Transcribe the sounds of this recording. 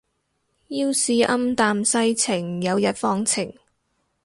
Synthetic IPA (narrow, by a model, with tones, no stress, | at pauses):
jiː˧˥wsiː˨˧ʔɐ˥mt̪aː˨˧msɐ˥jt͡sʰɪ˨˩ŋjɐ˨˧wjɐ˨˥t̚fɔː˧ŋt͡sʰɪ˨˩ŋ